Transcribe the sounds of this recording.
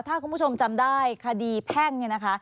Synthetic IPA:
t̪ʰaː˥˩kʰu˧˩nbʰt͡ɕʰo˧mt͡ɕa˧mdaː˥˩jkʰa˧diː˧pʰɛ˥˩ŋni˥˩na˦˥kʰa˦˥

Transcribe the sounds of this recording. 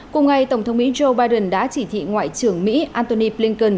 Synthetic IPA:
kʊ˨˩ŋ͡mŋa˨˩jt̪ə˧˩wŋ͡mt̪ə˨˦wŋ͡mmḭ˧˥zo˧ɓaː˧jɗə˨˩nɗa̰ː˧˥t͡ɕi˧˩t̪ʰḭ˧˨ŋwa̰ː˧˨jt͡ɕɨ˧˩əŋmḭ˧˥ʔaː˧nt̪o˧ni˧pli˧ŋkə˧˩n

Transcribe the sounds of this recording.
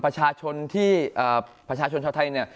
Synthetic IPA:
pɾa˧t͡ɕʰaː˧t͡ɕʰo˧nt̪ʰiː˥˩ʔəː˨˩pɾa˧t͡ɕʰaː˧t͡ɕʰo˧nt͡ɕʰa˧wt̪ʰa˧jni˥˩ɐ

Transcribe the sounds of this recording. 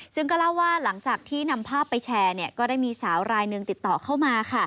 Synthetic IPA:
sɯ˥˩ŋkɔː˥˩la˥˩wːaː˥˩la˩˦ŋt͡ɕaː˨˩k̚t̪ʰiː˥˩na˧mpʰaː˥˩pːa˧jt͡ɕʰɛː˧ni˥˩ɐkɔː˥˩daː˥˩jmiː˧saː˩˦wɾaː˧jnɯ˧ŋt̪i˨˩t̪ːɔː˨˩kʰa˥˩wmaː˧kʰa˥˩

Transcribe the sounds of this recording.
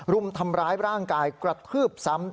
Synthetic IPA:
ɾu˧˩mt̪ʰa˧mɾaː˦˥jɾaː˥˩ŋkaː˧jkɾa˨˩t̪̚ʰɯː˥˩p̚sa˦˥m

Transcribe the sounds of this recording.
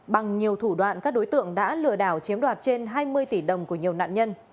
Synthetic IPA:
ɓa˨˩ŋɲi˨˩əwt̪ʰu˧˩ɗwa̰ː˧˨nkaː˦˥k̚ɗo˨˦jt̪ɨ̰˧˨əŋɗa̰ː˧˥lɨ˧˩əɗaː˧˩wt͡ɕi˨˦əmɗwaː˨˩t̚t͡ɕe˧nɦaː˧jmɨ˧əjt̪i˧˩ɗə˨˩wŋ͡mku˧˩əɲi˨˩əwna̰ː˧˨nɲə˧n

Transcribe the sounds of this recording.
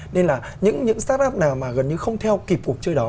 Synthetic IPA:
ne˧nlaː˨˩ | ɲɨ̰˧˥ŋɲɨ̰˧˥ŋsaː˦˥t̚ʔaː˦˥p̚naː˨˩wmaː˨˩ɣə˨˩nɲɨ˧xə˧wŋ͡mt̪ʰɛ˧wki˨˩p̚ku˨˩k̚t͡ɕəː˧jɗɔ˨˦

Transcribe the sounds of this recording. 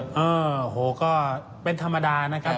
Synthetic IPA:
ʔɤː˧o˩hoː˩˦kɔː˥˩ | pe˧nt̪ʰa˧mːa˧daː˧na˦˥kʰa˦˥p̚

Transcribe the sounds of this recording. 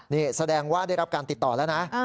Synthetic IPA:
niː˥˩sa˧dɛː˧ŋwaː˥˩da˥˩jɾa˦˥p̚kaː˧nt̪i˨˩t̪ːɔː˨˩lɛː˦˥wna˦˥

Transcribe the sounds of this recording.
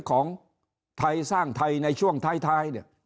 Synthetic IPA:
kʰɔː˩˦ŋ | t̪ʰa˧jsaː˥˩ŋt̪ʰa˧jna˧jt͡ɕʰu˥˩əŋt̪ʰaː˧˩jt̪ʰaː˧jni˧˩

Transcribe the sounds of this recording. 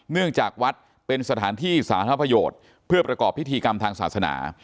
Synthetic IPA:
nɯ˥˩əŋt͡ɕaː˨˩k̚wa˦˥t̪̚ | pe˧nsa˧t̪ʰaː˩˦nt̪ʰiː˥˩saː˩˦t̪ʰa˦˥pɾa˧joː˨˩t̪̚ | pʰɯ˥˩ɐpɾa˧kɔː˨˩pʰːi˦˥t̪ʰiː˧ka˧mt̪ʰaː˧ŋsa̰ː˨˩t̪̚sa˧na̰ː˩˦

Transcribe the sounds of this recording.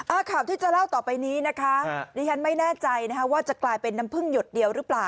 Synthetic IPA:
ʔaː˧˩kʰaː˨˩wt̪iː˥˩t͡ɕa˨˩la˥˩wt̪ɔː˨˩pa˧jniː˦˥na˦˥kʰa˦˥diː˧t͡ɕʰa˦˥nma˥˩jnɛː˥˩t͡ɕa˧jna˦˥kʰwaː˥˩t͡ɕa˨˩klaː˧jpe˧nːa˧˥mpʰɯ˥˩ŋjo˨˩t̪̚di˧əwɾɯː˦˥plaː˨˩w

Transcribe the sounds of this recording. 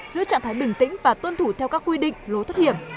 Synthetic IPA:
zɨ̰˧˥ət͡ɕa̰˧˨ŋt̪ʰa˨˦jɓï˨˩ŋ̟t̪ï˧˥ŋ̟vaː˨˩t̪wə˧nt̪ʰu˧˩t̪ʰɛ˧wkaː˦˥kwi˧ɗḭ̈˧˨ŋ̟lo˨˦t̪ʰə˦˥t̚hi˧˩əm

